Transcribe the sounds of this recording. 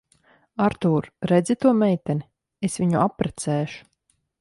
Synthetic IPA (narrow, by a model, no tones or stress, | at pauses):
aɾt̪uːɾɾɛd̪zit̪uɔmɛjt̪ɛni | esviɲuʔapːɾɛt̪sɛːʃu̥